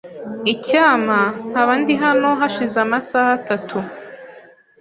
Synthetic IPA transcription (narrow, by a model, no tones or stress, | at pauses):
icaːmahaβandiɦano̞ɦaʃizamasahatatʰu